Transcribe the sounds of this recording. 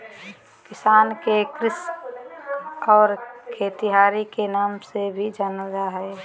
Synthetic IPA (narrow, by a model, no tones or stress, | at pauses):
kɪsaːnkekɾɪs | ɔːɾkʰeːt̪iɦaːɾikenaːmsebʱid͡ʒanədaɦɛ